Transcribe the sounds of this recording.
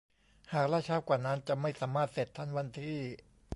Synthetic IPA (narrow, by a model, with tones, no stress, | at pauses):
haː˨˩k̚la˦˥˩t͡ɕʰaː˦˥w̚kwaː˨˩na˦˥nt͡ɕa˨˩ma˥˩jsaː˩˦maː˥˩t̪̚se˨˩t̪ʰːa˦˥˩nwa˧nt̪ʰiː˥˩